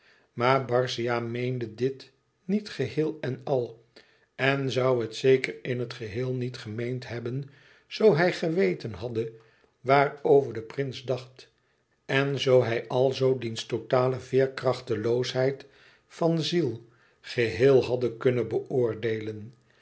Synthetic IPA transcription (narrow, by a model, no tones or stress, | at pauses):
maːɹbɑɹsiaːmejndədɪt | nitχəɦɪːlˠɛnɑlˠ | ɛnzɑwətsejkərɪnɦətχəɦɪːlˠnitχəmejntɦɛbən | z̥owɦɛjχəʋejtənɦɑdə | ʋaːrowvəɹdəprɪnzdɑχt | ɛnzowɦɛjʔɑlˠzowdinstotaːləvɪːɹkrɑχtəlowsɦɛjt | fɑnzilˠ | χəɦɪːlˠɦɑdəkɵnəbəʔʊːɹdejlən